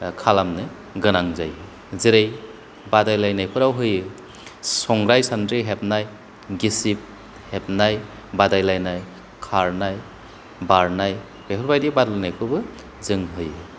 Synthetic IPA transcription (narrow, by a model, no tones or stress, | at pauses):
kʰalamnɯ | ɡɯnaŋza̰jɯ | ziɾej | badajlajnajpʰɯɾawɦɯjɯ | sɔŋɡɾajsandɾiɦep̚naj | ɡisip̚ | hep̚naj | badajlajnaj | kʰaɾnaj | baɾnaj | bepʰɔɾbajdibadlajnajpʰɯbɯ | zɯŋɦɯjɯ